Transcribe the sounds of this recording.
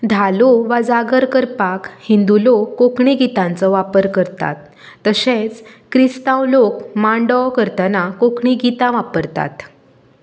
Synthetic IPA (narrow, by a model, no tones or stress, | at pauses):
d̪ʱaloʋad͡zaɡəɾkəɾpakhind̪ulokokɳiɡit̪ãnt͡sɔʋapəɾkəɾt̪a̰t̪ː | əɕẽt͡skɾist̪ãwlokmãɳɖɔkəɾt̪ənakokɳiɡit̪ãʋapəɾt̪a̰t̪